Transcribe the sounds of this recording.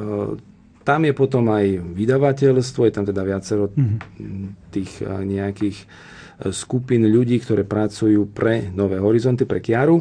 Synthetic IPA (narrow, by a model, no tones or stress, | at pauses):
t̪amjɛpɔt̪ɔmajʋid̪aʋacɛʎst̪ʋɔjɛt̪amt̪ɛd̪aʋɪat͡sɛɾɔ | t̪iːxɲɛakiːx | skupinʎuɟiːkt̪ɔɾɛːpɾat͡sujuːpɾɛnɔʋɛːɦɔɾizɔnt̪ipɾɛkjaɾu